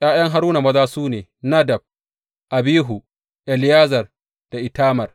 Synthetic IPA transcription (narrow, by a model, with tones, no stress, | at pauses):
j̰aː˦j̰ɐ˦ŋɦa˦ɾuː˦na˨mɐ˦zaː˦suː˦neː˨na˦dɐ˨b̚ | ʔa˨biː˦ɦu˨ | ʔɛ˨ljaː˦zɐ˨r | d̥a˨ʔɪ˨taː˦mɐ˨r